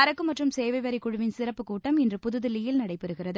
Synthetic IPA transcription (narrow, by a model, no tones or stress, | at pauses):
ɐɾɐkːɯmɐʈrɯmseːʋɐɪʋɐɾɪkːʊɻɯʋɪnsɪrɐpːɯkuːʈːɐmɛndrɯpʊðɯðɯlɪjɪlnɐɽɐɪpːɛɾɯɣɪrɐðɯ